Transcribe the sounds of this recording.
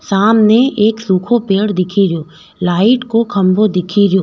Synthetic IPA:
saːmneeːksuːkʰopeːɽd̪ɪkʰiɾijoː | laːɪʈkokʰɐ̃mbʱod̪ɪkʰiɾjoː

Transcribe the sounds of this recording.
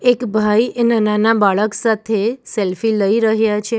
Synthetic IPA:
ekbʱainananabaɭəksat̪ʰeselfiləiɾəɦjat͡ʃʰe

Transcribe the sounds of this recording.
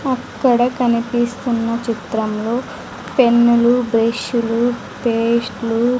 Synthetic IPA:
ɐkːɐɽɐkɐnipist̪unːɐt͡ʃit̪ɾɐmlo̞ː | pe̞nːulubɾeʃulu | peːsʈlu

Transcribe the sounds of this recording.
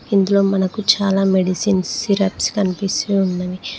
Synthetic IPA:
ind̪ulo̞ːmɐnɐkut͡ʃaːlaːmeɖisinsiɾɐpskɐnipisunːɐʋi

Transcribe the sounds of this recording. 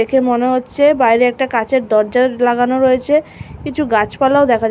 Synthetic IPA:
ekʰemoneɦotːɕʰebajɾeɛk̚ʈakat͡ɕeɾd̪ɔɾd͡ʑaɾlaɡanoɾoet͡ɕʰekit͡ɕʰuɡat͡ɕpalaod̪ɛkʰa

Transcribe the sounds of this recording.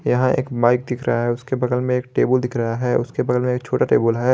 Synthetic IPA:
jɐɦãḛːkbaːɪk̚d̪ɪkʰɾɐ̰ɦaɦɛʊskebɐɡəlmẽeːk̚ʈeːbəld̪ɪkʰɾɐɦaɦɛːʔʊskebɐɡəlmẽeːk̚t͡ʃʰoːʈaʈḛːbəlɦɛː

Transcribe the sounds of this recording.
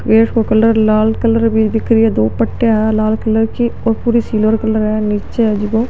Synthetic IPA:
kɾeːʈkokəlːəɾlaːlkəlːəɾbid̪ɪkɾiɛːd̪oːpəʈːjaːɦɛlaːlkəlːəɾkiopuːɾiːsiːlʋəɾkəlːəɾɛːniːt͡ʃeɦɛːd͡ʒɪɡõː

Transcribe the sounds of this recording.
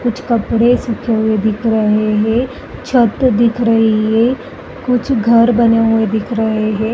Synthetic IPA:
kʊt͡ʃʰkɐpɽesʊkʰeɦʊed̪ɪkʰɾɐɦeɦɛ̃ | t͡ʃʰɐt̪d̪ɪkʰɾɐɦiɦɛ | kʊt͡ʃʰɡʱɐɾbɐneɦʊed̪ɪkʰɾɐɦeɦɛ̃ː

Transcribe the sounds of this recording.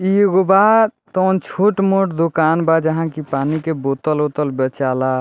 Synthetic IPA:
iɡobat̪ɔnt͡ʃʰoʈmoʈd̪okanbad͡ʒəɦãkipanikebot̪əlot̪əlbet͡ʃala

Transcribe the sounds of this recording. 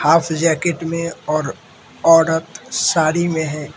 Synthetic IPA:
haːpʰd͡ʒɛːkɪʈmẽɔːɾ | ɔːɾət̪saːɽimẽɦɛ̃ː

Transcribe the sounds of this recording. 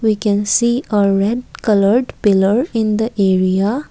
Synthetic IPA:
wikɛ̃nsiəɾɛɖ̚kʌləɾɖpɪləɾɪ̃nd̪əʔeɾia

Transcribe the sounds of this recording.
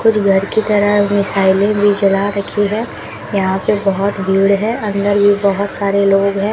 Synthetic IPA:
kʊt͡ʃʰɡʱɐɾkit̪ɐɾəmɪsaːɪlẽbʱid͡ʒɐlaɾɐkʰiɦɛ̃ː | jɐɦãpebɐɦʊt̪bʱiːɽɦɛ̃ːɐ̃nd̪əɾbʱibɐɦʊt̪saːɾeloːɡɦɛ̃ː

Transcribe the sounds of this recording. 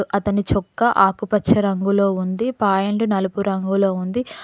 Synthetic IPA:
ʔɐt̪ɐnit͡ʃɔkːɐʔaːkupɐt͡ʃʰːɐɾɐŋɡulo̞ːund̪ipaːjɐɳɖunɐlupuɾɐŋɡulo̞ːund̪i

